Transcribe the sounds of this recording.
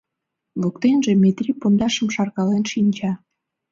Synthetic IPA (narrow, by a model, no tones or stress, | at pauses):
lukt̪enʒemet̪rʲipond̪ɑʃəmʃɑrkɑlenʃinʲt͡ɕɑ